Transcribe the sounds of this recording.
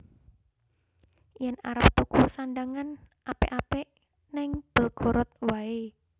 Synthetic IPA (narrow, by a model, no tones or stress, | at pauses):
jɛnaɾəp̚t̪ukusanɖaŋan | ʔapeʔapeʔ | nɛŋb̥ə̤lɡ̥ɔ̤ɾɔt̪̚wae